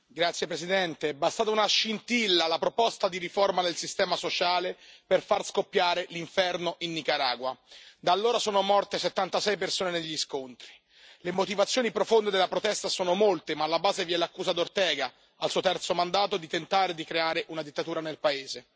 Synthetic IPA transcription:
ɡɾat̪sːjepɾesid̪ɛnt̪eɛbast̪aːt̪aunaʃːint̪ilːalapɾopɔst̪ad̪iɾiformad̪elsist̪ɛːmasot͡ʃaːleperfarskopːjaːɾeliɱfɛrnoʔinːikaɾaːɡwad̪alːoːɾasoːnomɔrt̪eset̪ːant̪asɛjpersoːneneʎːiskont̪ɾi | lemot̪ivat̪sːjoːnipɾofond̪ed̪elːapɾot̪ɛst̪asoːnomolt̪emaːlːabaːzevjɛlakːuːzad̪ort̪ɛːɡa | alsuːot̪ɛrt̪somand̪aːt̪od̪it̪ent̪aːɾed̪ikɾeaːɾeʔunad̪it̪ːat̪uːɾanelpaeːze

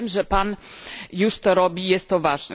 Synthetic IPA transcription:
mʐɛpanjuʂt̪ɔɾɔbʲijɛst̪ːɔvaʐnɛ̰

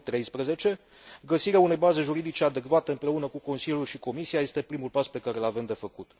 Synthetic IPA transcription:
t̪ɾe̞jspɾeze̞t͡ʃe̞ | ɡəsiɾeaune̞jbaze̞ʒuɾid̪it͡ʃe̞ad̪e̞kvat̪e̞ɨmpɾe̞unəkuko̞nsilʲjulʃiko̞misiaje̞st̪e̞pɾimulpaspe̞kaɾelave̞md̪e̞fəkut̪

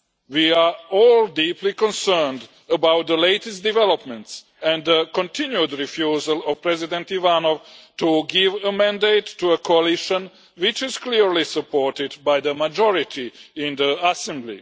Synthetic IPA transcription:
wiaɔːldiːplikɔ̃nsɜ˞nd | əbawt̪̚ðəleɪtɛst̚divɛlɔpmɛ̃nts | æ̃nd̪ðəkɔ̃ntɪ̃njudɹifjuːzəlˠɔv̥pɾɛzidɛ̃ntivanovtuɡɪvəmæ̃ndeɪtːuəkʰoalɪʃə̃n | wɪt͡ʃɪz̥kliɹlisəpʰɔɹtɪdbajðəmad͡ʒɔɹɪt̪ʰiɪ̃nðəasɛ̃mblḭ

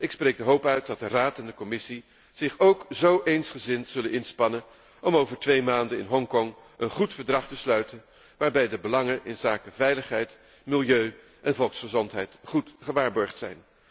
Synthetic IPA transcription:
ʔɪksprejɡ̚dəɦowpœɥt̚dɑt̚dəraːtɛndəkɔmɪsi | z̥ɪχowkzowʔejnsχəzɪntz̥ɵlənɪnspɑnən | ʔɔmowvəɹtʋejmaːndənɪnɦɔŋkɔŋ | ənχutfəɹdrɑχtəslœɥtən | ʋaːɹbɛjdəbəlɑŋənʔɪnzaːkəvɛjləχɦɛjt | mɪlˠjøɥ | ʔɛnvɔlˠksχəzɔntɦɛjtχutχəʋaːɹbɔɹχtsɛ̰jn

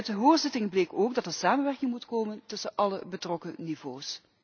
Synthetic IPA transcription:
tdəɦʊːɹzɪtɪŋbleːkoːɡdɑtənsaːmənʋɛrkɪŋmutkoːməntɵsənʔɑləbətrɔkənivoːs

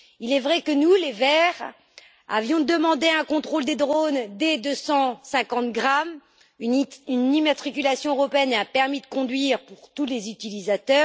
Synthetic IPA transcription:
ilɛvʁɛkənulevɛʁ | a̰vjɔ̃d̪əmɑ̃d̪eɛ̃kɔ̃t̪χold̪ed̪ʁond̪ed̪øsɑ̃sɛ̃kɑ̃t̪ɡʁam | ynimat̪χikʲylasjɔ̃øʁɔpeɛnapɛʁmid̪əkɔ̃d̪ɥiʁpuʁt̪ulezyt̪ilizat̪œːʁ

